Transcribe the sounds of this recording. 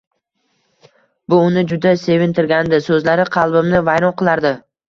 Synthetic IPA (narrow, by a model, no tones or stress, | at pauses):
bʊʊnɪd͡ʒʊd̪ase̞vɪnt̪ʰɪɾɡʲand̪ɪsɵzlaɾɪqʰɑlˠbɪmnɪvajɾɒnqɨlˠaɾd̪ɪ